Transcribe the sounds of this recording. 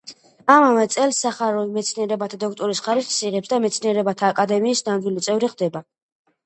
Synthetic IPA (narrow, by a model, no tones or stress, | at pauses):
amavɛt̪sʼɛlsːaχaɾɔimɛt̪sʰniɛɾɛbat̪ʰad̪ɔk̚ʰt̪ʼɔɾisχaɾisχsiʁɛpsd̪amɛt̪sʰniɛɾɛbat̪ʰaːkʼad̪ɛmiːsnandɡ̪ilit̪sʼɛvɾiχd̪ɛba